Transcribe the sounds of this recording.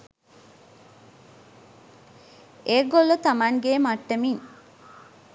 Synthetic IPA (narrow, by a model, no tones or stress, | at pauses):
eːɡolːot̪ɐmaŋɡeːmɐʈːɐmiŋ